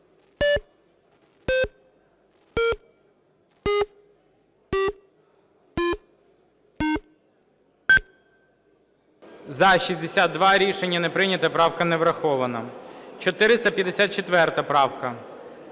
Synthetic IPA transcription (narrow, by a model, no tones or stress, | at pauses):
zɐʃizʲd̪esʲad̪̚d̪ʋɑɾʲiʃenʲːɐnepɾɪnʲɐt̪ɐpɾɑwkɐnɛʋɾɐxɔʋɐnɐt͡ʃɔt̪ɪɾɪst̪ɐpʲjɐd̪esʲat̪̚t͡ʃet̪ʋɛrt̪ɐpɾɑwkɐ